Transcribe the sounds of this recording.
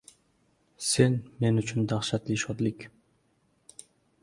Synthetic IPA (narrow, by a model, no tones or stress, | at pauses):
senme̞nyt͡ʃʰynd̪ɑχʃɑt̪liʃod̪lik